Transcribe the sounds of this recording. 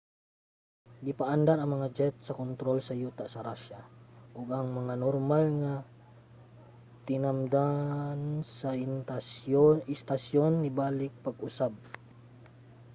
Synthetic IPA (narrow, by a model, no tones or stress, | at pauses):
ɡɪpaʔand̪anɐŋmɐŋad͡ʒɛt̪̚sɐkont̪ɾolsɐjuːt̪asɐɾaʃaʔʊɡʔɐŋmɐŋanoɾmalŋa | t̪ɪnamd̪ansaaoɪst̪asjonːɪbaːlɪk̚pɐɡʊsab̚